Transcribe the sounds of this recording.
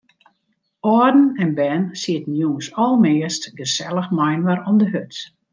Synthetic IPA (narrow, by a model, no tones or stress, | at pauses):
ɔrdn̩ɛnbɛːnsiətn̩juəsɔlˠmɪːəstɡəsɛlˠəxmajnʋəɾɔmdəɦøt